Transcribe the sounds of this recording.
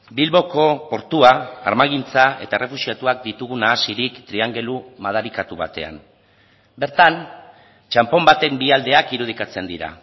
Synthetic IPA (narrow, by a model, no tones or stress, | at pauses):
bilβo̞ko̞po̞ɾt̪ua̰ːɾmaɣint͡sae̞̰t̪aere̞fusiat̪uak̚d̪it̪uɣunaːsiɾikt̪ɾiaŋɡe̞lumað̞aɾikat̪uβ̞at̪e̞̰a̰m | be̞ɾt̪an | t͡ʃampo̞mbat̪e̞mbiald̪e̞akiɾuð̞ikat͡se̞nd̪iɾa̰